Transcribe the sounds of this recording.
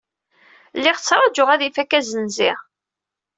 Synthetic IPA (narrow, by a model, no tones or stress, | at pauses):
lːiʁt͡sːɾˤɑd͡ʒʊʁæðifækæzənziʁ